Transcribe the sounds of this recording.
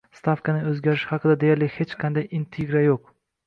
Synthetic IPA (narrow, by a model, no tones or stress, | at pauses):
st̪afkanɪɵzɡʲaɾɪʃhɑqʰɨd̪ad̪ejaɾlɪhe̞t͡ʃqʰɑnd̪ajɪnt̪ʰeɡɾajoq̚